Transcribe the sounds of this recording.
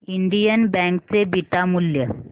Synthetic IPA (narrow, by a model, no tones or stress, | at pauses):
iɳɖijənbɛ̃ŋkt͡sebiʈ̪amuljə